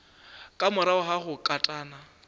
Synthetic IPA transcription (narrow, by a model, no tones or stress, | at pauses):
kʼamʊɾaʊɦaχʊkʼatʼaːna